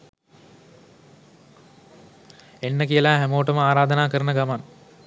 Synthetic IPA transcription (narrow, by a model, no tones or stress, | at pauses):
enːəkijəlaːɦæmoːʈəməaːɾaːd̪ənaːkəɾənəɡaman